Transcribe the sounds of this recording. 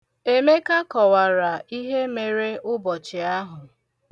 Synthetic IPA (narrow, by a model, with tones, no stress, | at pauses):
e˦me˦ka˦kɔ˨wa˨ɾa˨i˦ɦe˦me˨ɾe˦ʊ˦bɔ˨t͡ʃɪ˨a˦ɦʊ˨